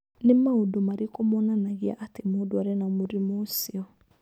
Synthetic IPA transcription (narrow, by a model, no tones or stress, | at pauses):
lemaodomaɾikɔmɔnãnaɡia̰ʔatemoduaɾenamoɾimosiɔ